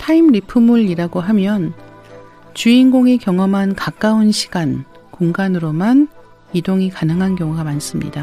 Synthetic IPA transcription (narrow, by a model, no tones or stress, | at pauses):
tʰaimɾipʰɯmuɭiɾaɡoɦamjʌn | t͡ɕuinɡoŋekjʌŋʌmɦankak͈aunɕʰi̥ɡ̥an | kuŋɡanɯɾoman | idoŋikanɯŋɦankjʌŋuɡamans͈ɯmɲḭda